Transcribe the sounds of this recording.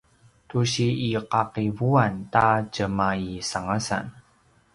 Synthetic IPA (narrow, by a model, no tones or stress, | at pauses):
tuɕiiqaqivuantad͡ʒəmaisaŋasa̰n